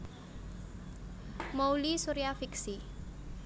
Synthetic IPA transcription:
moulisuɾiafiksi

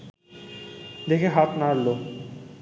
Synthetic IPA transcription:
d̪ekʰeɦat̪naɾlo

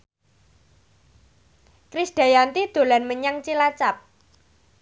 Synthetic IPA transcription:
kɾisd̥a̤jant̪id̪̥o̤lanməɲaŋt͡ʃilat͡ʃap̚

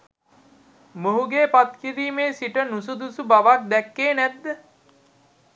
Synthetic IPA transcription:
moɦuɡeːpat̪̚kiɾiːmeːsiʈənusud̪usubaʋak̚d̪ɛkːeːnæt̪ːə

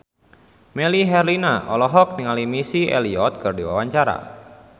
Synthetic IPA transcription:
mɛliɦɛrlinaʔɔlɔɦɔk̚niŋalimisiɛ̰liɔt̪̚kɨrdiwa̰waɲt͡ʃaɾa̰

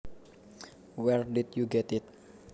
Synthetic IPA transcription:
wɛrdit̪̚juɡɛt̪ɪt̪̚

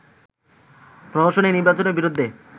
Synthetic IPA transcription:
pɾɔd̪oɾʃoneniɾbat͡ɕoneɾbiɾod̪ʱːe

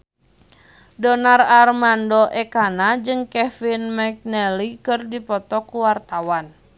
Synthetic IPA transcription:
dɔnararmandɔʔɛkanad͡ʒɨŋkɛfinmɛk̚nɛlikɨrdipɔt̪ɔkuwart̪awan

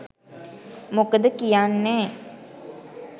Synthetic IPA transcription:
mokəd̪əkijanːɛː

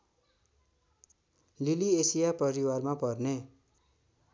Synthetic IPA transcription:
liliesijapʌɾiwarmapʌrne

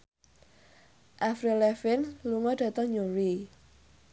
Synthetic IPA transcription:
ʔafɾelɛfɪnluŋɔɖ̥a̤t̪ɔŋɲuɾi

